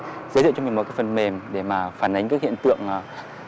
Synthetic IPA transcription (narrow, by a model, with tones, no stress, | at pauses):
zəː˨˦jzɨ̰˧˨t͡ɕmi˨˩mo˨˦kaː˨˦jfə˨˩nme˨˩mɗe˧˩maː˨˩faː˧˩nʔa˨˦jŋ̟kaː˦˥k̚hḭ˧˨ə˨nt̪ɨ̰˧˨əŋʔ